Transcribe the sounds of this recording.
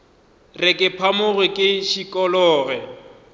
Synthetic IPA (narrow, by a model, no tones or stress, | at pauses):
rɪkʼɪpʰamʊɣwɪkʼɪʃikʼɔlɔːɣɛ